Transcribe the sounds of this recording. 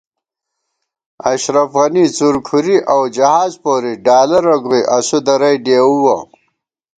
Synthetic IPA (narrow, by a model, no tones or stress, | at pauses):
ɐɕɾɐfɣɐnit͡suɾkʰuɾiʔawd͡ʑɐhaːzpoːɾiɖaːlɐɾɐɡojʔɐsud̪ɐɾɐjɖeːuwɐ